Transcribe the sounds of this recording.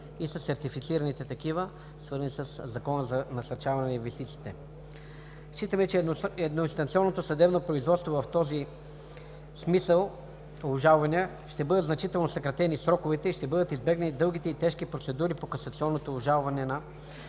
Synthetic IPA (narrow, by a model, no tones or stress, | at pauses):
isɐsɛɾt̪ifit̪siɾɐnit̪ɛt̪ɐkivə | svɤɾzənisəszɐkɔnəzɐnɐsɐɾt͡ʃavɐnɛnɐinvɛst̪it̪siːt̪ɛ | ʃt͡ʃit̪əmɛt͡ʃɛɛd̪noinst̪ɐnt̪siɔnːot̪osɐd̪ɛbnopɾoizvɔt̪st̪vovɐft̪ɔzi | smisəlˠ | ʊʒalˠvɐniə | ʃt̪ɛbɤd̪əd̪znɐt͡ʃit̪ɛlˠnosɐkɾɐt̪ɛnisɾɔkovɛt̪ɛiʃt̪ɛbɤd̪ət̪izbɛɡnʲnid̪ɤlˠɡ̟it̪ɛit̪ɛʃk̟ipɾot̪sɛd̪uɾipokɐsɐt̪siɔnːot̪oːʒalˠvɐnɛnɐ